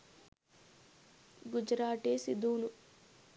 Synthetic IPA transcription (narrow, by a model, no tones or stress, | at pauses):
ɡud͡ʒɾaːʈeːsid̪uːnu